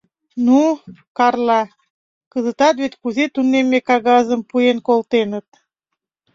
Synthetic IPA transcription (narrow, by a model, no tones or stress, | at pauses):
nukɑrlɑ | kəzət̪ɑt̪βet̪ʲkuzet̪unemːekɑɣɑzəmpujenkolt̪enət̪̚